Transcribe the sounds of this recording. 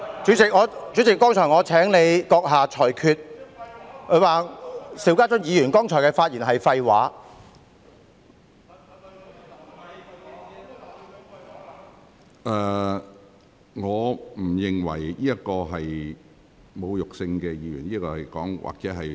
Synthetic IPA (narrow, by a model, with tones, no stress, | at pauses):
t͡ʃyː˨˥t͡sɪ˨k̚ŋɔː˨˧t͡ʃyː˨˥t͡sɪ˨˩kːɔː˥ŋt͡ʃʰɔː˨˩jŋɔː˨˧t͡sʰɛː˨˥ŋne˨˧jkɔː˧k̚ɦaː˨t͡ʃʰɔː˨˩jkʰyː˧t̚ | kʰɵ˨˧˥waː˨siː˨˥wkaː˥t͡ʃʊ˥n̚jiː˨˧jyː˨˩nkɔː˥ŋt͡ʃʰɔː˨˩kɛː˧faː˧t̚jiː˨˩nɦɐ˨jfɐ˧jwaː˨˥ | ʔɛ˨˧ | ŋɔː˨˧m̩˨˩jɪ˨ŋwɐ̰˨˩jjiː˥jɐ˥kɔː˧ɦɐ˨j | mo˨˧wjʊ˨k̚sɪ˧ŋkɛː˧jiː˨˧jy̰˨˩njiː˥kɔː˧hɐ˨˩jkɔ̰ː˨˥ŋwʔa̰ː˨k̚t͡sɛː˨˥ɦɐ˨j